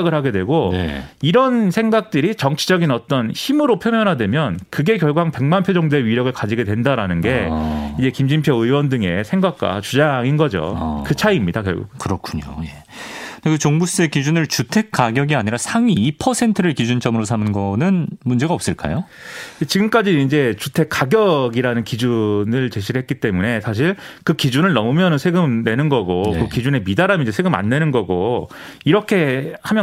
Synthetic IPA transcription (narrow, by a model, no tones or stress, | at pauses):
ɡɯɭhaɡe̞dwe̞ɡoiɾʌnsʰe̞ŋɡak̚t͈ɯɾit͡ɕʌŋt͡ɕʰid͡ʑʌɡinʌt͈ʌnçimɯɾopʰjomjʌnɦadwe̞mjʌnkɯɡe̞kjʌɭɡuwaŋpe̞ŋmanpʰjod͡ʑʌŋdeɥiɾjʌɡɯɭkad͡ʑiɡe̞dwe̞ndaɾanɯnɡe̞id͡ʑe̞kimd͡ʑimpʰjʌɯwʌndɯŋe̞sʰe̞ŋɡak̚k͈a̰t͡ɕud͡ʑaŋinɡʌd͡ʑo̰kɯt͡ɕʰaimɲidakjʌ̰ɭɡṵkɯɾʌkʰuɲo̰je | ekɯt͡ɕoŋbus͈ɯekid͡ʑunɯɭt͡ɕutʰe̞k̚k͈aɡjʌɡiaɲiɾasʰaŋiːpʰʌsʰe̞ntʰɯɾɯɭkid͡ʑunt͡ɕ͈ʌmɯɾos̬ʰamɯnɡʌnɯnmund͡ʑe̞ɡaʌp̚s͈ɯɭk͈a̰jo | et͡ɕiɡɯmk͈ad͡ʑiːnd͡ʑe̞t͡ɕutʰe̞k͈aɡjʌɡiɾanɯnkid͡ʑunɯɭt͡ɕe̞ɕʰiɾɯɭɦe̞t̚k͈it͈e̞mune̞sʰaɕ̬ʰiɭkɯkid͡ʑunɯɭnʌmɯmjʌnɯnsʰeɡɯmne̞nɯnɡʌɡokɯkid͡ʑune̞midaɾamind͡ʑesʰeɡɯma̰nːe̞nɯnɡʌɡoiɾʌkʰe̞hamjʌ